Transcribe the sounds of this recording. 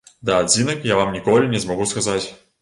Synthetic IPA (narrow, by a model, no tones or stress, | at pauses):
d̪ɐad͡zʲinɐkjavamnʲikɔlʲinʲɛzmɐɣuskazat͡sʲ